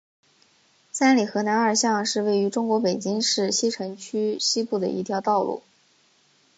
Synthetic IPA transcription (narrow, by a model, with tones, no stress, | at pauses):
sa˥nli˨˩xɤ˧˥na˧˥nə˞˨˩ɕjɑ˥˧ŋʂɻ̩˥˧we˥˩ɪy˧˥ʈ͡ʂʊ˥ŋkwɔ˧˥pe˨˩ɪt͡ɕi˥ŋʂɻ̩˥˩ɕi˥ʈ͡ʂʰɤ˧˥ŋt͡ɕʰy˥ɕi˥pu˥˩d̪ə̰˩ʔḭ˧˥t̪ʰjɑ˧˥ʊt̪ɑ˥˧ʊlṵ˥˩